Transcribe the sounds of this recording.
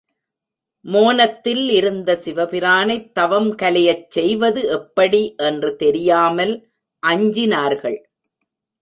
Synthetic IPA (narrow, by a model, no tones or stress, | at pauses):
moːnɐt̪ːɪlɪɾɯnd̪ɐsɪʋɐpɪɾaːnɐɪt̪ːɐʋɐmkɐlɐjɐt͡ʃsɛjʋɐðɯɛpːɐɽiʔɛndrɯt̪ɛɾɪjaːmɐl | ʔɐɲd͡ʒɪnaːɾɣɐɭ